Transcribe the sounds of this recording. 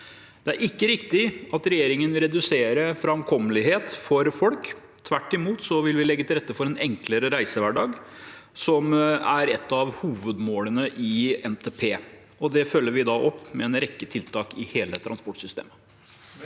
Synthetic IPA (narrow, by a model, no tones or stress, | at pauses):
d̪̥ɛæɾɪkːəɾɪkt̪ɪɑt̪ɾɛjeːɾɪŋənʋɪlɾɛd̪ʉseːɾəfɾɑɑmkʰɔmːəlɪɦeːt̪fɔɾfɔlk | t̪ʰʋæʈːɪmuːt̪sɔʋɪlʋɪlɛɡːət̪ʰɪlɾɛt̪ːəfɔɾɛnɛŋkləɾəɾæɪsəʋæɖɑːɡsɔmæɾɛt̪ːɑʋhuːʋəd̪moːlənəʔɪɛnt̪ʰeːpʰeː | ɔd̪ɛfœlːəɾʋɪd̪ɑːʔɔpːmɛɛnɾɛkːət̪ʰɪlt̪ʰɑːkɪheːlət̪ʰɾʔɑnspɔʈːsʏst̪ḛːmə